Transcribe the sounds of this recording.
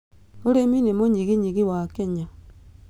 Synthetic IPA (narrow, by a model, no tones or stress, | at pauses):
oɾeminemoɲiɣiɲiɣiwakeɲa